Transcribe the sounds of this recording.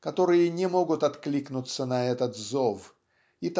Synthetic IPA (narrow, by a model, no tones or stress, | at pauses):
kɐt̪o̞ɾɨjənʲɪmo̞ɡʊt̪ɐt̪klʲiknʊt̪sːənɐɛt̪ət̪zof | it̪